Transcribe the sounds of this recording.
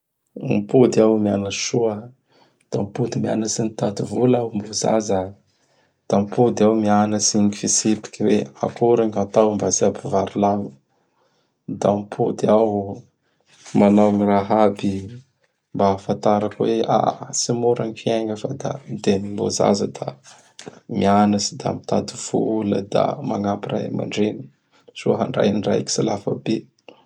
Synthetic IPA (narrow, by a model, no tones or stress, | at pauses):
mpud̪iawmianaʃuə | d̪̥ampud̪imia̰nəsinit̪ad̪ivulawmboza̰zə | d̪̥ampud̪awmianəsiɲifisipi̥kʲiwea̰kuɾaŋat̪awmbasiabivaɾilanu | d̪ampʰud̪iaw | manawniraɦabi | mbaːfant̪aɾakwea̰simuɾaŋifieŋɡəfad̪a̰d̪enimboza̰zəd̪a | mianasid̪a̰mit̪ad̪iv̥ulə̰d̪a̰maŋapira̰ma̰ɳɖ͡ʐeni̥ | z̥oɦa̰ɳɖ͡ʐa̰jnira̰jki̥silafabe